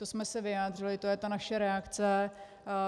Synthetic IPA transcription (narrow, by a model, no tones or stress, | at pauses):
t̪osmɛsɛvɪjaːdrɪlɪt̪o̞jɛt̪anaʃɛɾɛakt͡sɛ